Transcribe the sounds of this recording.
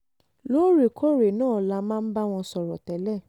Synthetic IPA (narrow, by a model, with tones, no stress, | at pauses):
lo˦ɾe˨kʰo˦ɾe˨nãː˦˨la˦mãː˦˧n̩˦ba˦w̃ɔ̃˧sɔ˨ɾɔ˨tɛ˨lɛ˦˨